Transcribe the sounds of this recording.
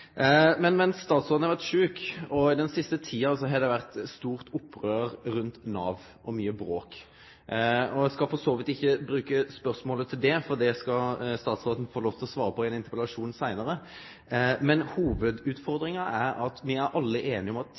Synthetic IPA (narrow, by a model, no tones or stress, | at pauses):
mɛnmɛnsːt̪ɑːt̪sʁoːdn̩ɑʋæʁt̪ʂʉːkɔɪd̪ɛnsɪst̪ət̪ʰiːɑsɔɦɑɾd̪ɛʋæʁt̪st̪uːʁt̪ʊpːʁøːɾɾʉnt̪nɑːʋ | ɔmyːəbɾoːk | ɔɛskɑfɔsoːʋət̪ɪçːəbɾʉːkəspœʁsmoːlət̪ʰɪld̪ɛfɔʁd̪ɛskɑst̪ɑːt̪sʁoːd̪n̩foːloːft̪ʰɪlɔsʋɑːɾəpʰɔɛnɪnt̪əɾpɛlɑʂuːnsæɪnəɾə | mɛnhuːʋəd̪ʉːt̪fɔʁd̪ɾɪŋɑæɾɑt̪ʋɪæɾʔɑlːəʔeːnɪɔmɑt̪